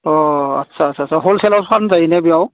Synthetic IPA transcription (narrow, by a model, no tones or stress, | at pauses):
ɔɐ̰tːsʰasʰasʰaɦolsɛlawsanzainɛbiaw